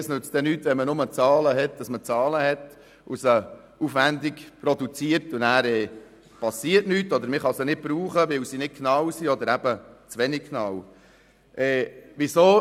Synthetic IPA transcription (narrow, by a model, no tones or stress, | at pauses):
snʉt͡sd̥̪ɛnyːtːʋɛnmənʊmət͡sɑːləɦɛt̚d̥ɑsmət͡sɑːləhɛt̪ | ʔʊsə | ufʋænd̪ikpɾɔd̪ut͡siəɾtʊnæːɾɛː | pɑsiətnyːtːɔd̪əɾmɪχɑsənɪt̚b̥ɾuːχəʋɪwsinɪt̚kʰnɑwsiɔd̪əɾæb̥ət͡sʋɛnik̚kʰːnɑw | ʔɛːʋisoː